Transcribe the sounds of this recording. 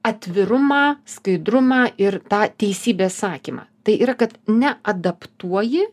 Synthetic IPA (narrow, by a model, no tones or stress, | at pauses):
ɐt̪ʲʋʲɪɾʊmɑːskɐɪd̪ɾʊmɑːʔɪɾt̪ɑːt̪ʲɛɪsʲiːbʲeːssɑːkʲiːmɑ̰ːt̪ɐɪʔiːɾɐkɐt̪nʲɛɐd̪ɐpt̪uɔjɪ